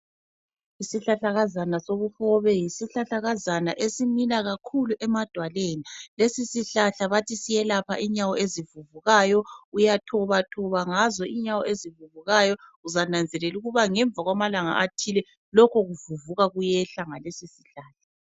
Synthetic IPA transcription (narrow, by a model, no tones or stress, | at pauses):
isiɬaɬaɣazanasoβuxɔβɛjisiɬaɬaɣazanaʔesimilaɣakʰuluʔɛmad̥ʱwalenilesisiɬaɬaβatʰisijɛlapʰa̰ʔiɲawɔezivuvuɣaːjɔujatʰɔβatʰɔβaŋazɔʔiɲawɔezivuβuɣajɔuzanand͡zʱɛlɛluɣuβaŋɛɱb̪vʱaɣwamalaŋa̰ʔatʰilɛ | lɔkʰɔɣuvuvuɣaɣujɛɬaŋalesisiɬaːɬḁ